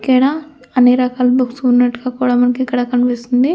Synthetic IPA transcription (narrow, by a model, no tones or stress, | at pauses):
keːɽa | ɐnːeːɾɐkaːlɐbuksunːɐʈːuɡaːkuːɽaːmɐnɐkikːɐɽakɐnʋeːsind̪i